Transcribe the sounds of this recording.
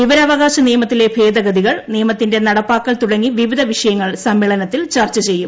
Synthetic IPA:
iʋɐɾɐʋɐɣaːɕɐnijɐmɐt̪ːile̞bʱe̞ːd̪ɐɡɐd̪iɣɐɭnijɐmɐt̪ːinde̞nɐɽɐpːaːkːɐɭt̪uɽɐŋːiʋiʋid̪ʱɐʋiʂɐjɐŋːɐɭsɐmːiːɭɐnɐt̪ːilt͡ɕɐrt͡ɕɐt͡ɕe̞jːum

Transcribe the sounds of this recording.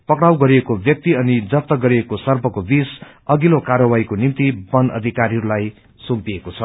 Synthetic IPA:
pʌkɽawɡʌɾiekobjʌk̚t̪iʌnid͡zʌt̪ːʌɡʌɾiekosʌrbʱʌkobis | ʌɡilokarʌwaikonimt̪ibʌnʌ̰d̪ʱikaɾiɦʌɾulaj | sumpiekot͡sʰʌ

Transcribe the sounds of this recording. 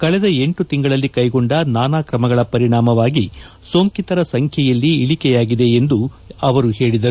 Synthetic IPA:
kɐɭɛd̪ɐe̞ɳʈut̪iŋɡɐɭɐlːikɐjɡo̞ɳɖɐnaːnaːkɾɐmɐɡɐɭɐpɐɾiɳaːmɐʋaːɡi | so̞ːŋkit̪ɐɾɐsɐŋkʰjɛjɐlːiːɭikɛjaːɡid̪e̞end̪u | ɐʋɐɾuɦe̞ːɭid̪ɐɾu

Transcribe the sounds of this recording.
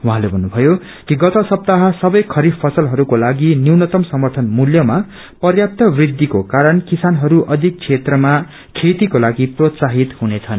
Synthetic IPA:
wuɦãlebʱʌnːubʱʌjo | kiɡʌt̪ʌsʌp̚t̪aɦʌsʌbʌjkʰʌɾipʰʌsʌlɦʌɾukolaɡiniwnʌt̪ʌmsʌmʌrt̪ʰʌnmuljʌma | pʌrjap̚t̪ʌbrid̪ʱːikokaɾʌnkisanɦʌɾuʔʌd̪ʱik̚t͡sʰet̪rʌma | kʰet̪ikolaɡiprot̪saɦit̪hunet͡sʰʌn

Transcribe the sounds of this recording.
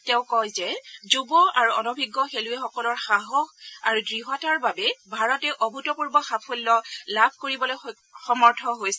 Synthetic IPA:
tɛʊ̃kɔjzɛzubɔaɹuɔnɔbʱiɡːɔxeluɛxɔkɔlɔɹxaɦɔxa̰ɹudɹiɦɔtaɹbabɛbʱaɹɔtɛʔɔbʱutɔpuɹbɔxapʰolːɔlabʱkoɹibɔloj | xɔmɔɹtʰɔɦojs

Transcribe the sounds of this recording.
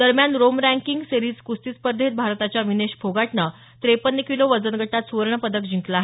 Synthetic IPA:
d̪əɾmjanɾomɾæ̃ŋkiŋɡseɾiːd͡zkust̪ispəɾd̪ʱet̪̚bʱaɾt̪at͡ɕjaʋineɕfʰoɡaʈnə | t̪ɾepənːəkiloʋəd͡zənɡʱəʈat̪suʋəɾɳəpəd̪ək̚d͡ʑʱĩŋklaːɦe

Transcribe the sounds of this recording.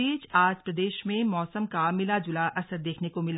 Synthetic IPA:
iːt͡ʃaːd͡ʒpɾɐd̪eːʃmẽmɔːsəmkamɪlad͡ʒʊlaʔɐsəɾd̪eːkʰnekomɪl

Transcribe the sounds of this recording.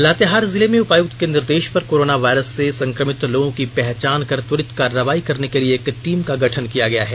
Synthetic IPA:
laːt̪eɦaːɾzɪlemẽʊpaːjuːt̪kenɪɾd̪eːʃpɐɾkoːɾoːnaʋaːɪɾəsːesɐ̃ŋkɾəmɪt̪loːɡõkipɛɦt͡ʃaːnkɐɾt̪ʊɾɪt̪kaːɾːəʋaːikɐɾnekelieːkʈiːmkaɡʱɐʈʰənkijaɡɐja̰ɦɛː

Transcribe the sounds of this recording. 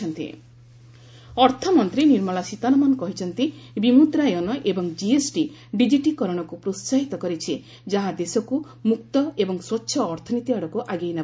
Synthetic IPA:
ɔnt̪ḭ | ɔɾt̪ʰɔmɔnt̪ɾiniɾmɔɭasit̪anɔmanɔkɔɦit͡ʃʰɔnt̪ibimut̪ɾajɔnɔʔebɔŋd͡ʒiesʈi | ɖid͡ʒiʈikɔɾɔɽ̃ɔkupɾot̪saɦit̪ɔkɔɾit͡ʃʰi | d͡ʒaɦad̪esɔku | mukt̪ɔebɔŋswɔtːʃʰɔːɾt̪ʰɔnit̪iaɽɔkuʔaɡejna

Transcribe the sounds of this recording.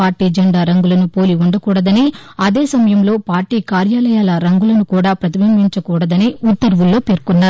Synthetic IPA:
aːɾʈiːd͡ʒɐɳɖaːɾɐŋɡulɐnupo̞ːliuɳɖɐkuːɽɐd̪ɐniɐd̪e̞ːsɐmɐjɐmlo̞ːpaːɾʈiːkaːɾjaːlɐjaːlɐɾɐŋɡulɐnukuːɽaːpɾɐt̪ibɐmbiɲt͡ʃɐkuːɽɐd̪ɐniut̪ːɐɾʋulːo̞ːpeːɾkunːaːɾu

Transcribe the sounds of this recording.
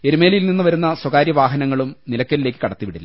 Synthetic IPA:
e̞ɾume̞ːljilninːuʋɐɾunːɐswɐkaːɾjɐʋaːɦɐnɐŋːɐɭumnilɐkːɐlile̞ːkːɨ̥kɐɽɐt̪ːiʋiɽilːɐ

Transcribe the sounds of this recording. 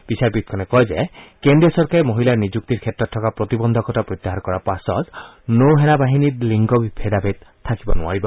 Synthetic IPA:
b̥isaɾpit̪̚kʰɔnɛkɔjzekendiɔsɔɹkaɾemoɦilaɹnid͡ʒuk̚t̪iɾkʰɛtɹɔt̪ʰːɔkapɾɔt̪ibɔnd̪ʱɔkʰɔtapɾɔt̪ːaɦankɔɾapasɔ̰z | nowɦɛnabaɦiniɾliŋɡɔbibʱed̪abʱet̪t̪ʰːakibɔnʊa̰ɹibɔ

